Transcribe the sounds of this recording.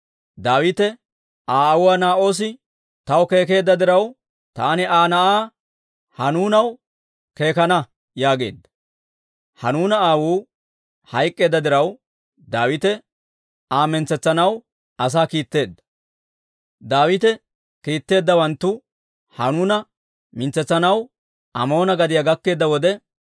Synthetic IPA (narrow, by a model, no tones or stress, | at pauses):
d̪aːwɪt̪ɛ | ʔaːwʊwanaːʔo̞ːs̬ɪ | t̪ɐwke̞ːk̬e̞ːd̪ːɐd̪ɪɾɐw | t̪aːnɪaːnɐʔaː | hɐnuːnɐw | ke̞ːkɐnɐ | jaːɡe̞ːd̪ːɐ̥ | hɐnuːnɐaːwuː | hɐjkʼːe̞ːd̪ːɐd̪ɪɾɐw | d̪aːwɪt̪ɛ | aːmɪnt͡sɛt͡sːɐnɐw | ɐs̬aːkiːt̪ːe̞ːd̪ːɐ̥ | d̪aːwɪt̪ɛ | kiːt̪ːe̞ːd̪ːɐwɐnt̪ːʊ | hɐnuːnɐ | mɪnt͡sːɛt͡sːɐnɐw | ɐmo̞ːnɐɡɐd̪ɪjɐɡɐkːe̞ːd̪ːɐwɔd̪ɛ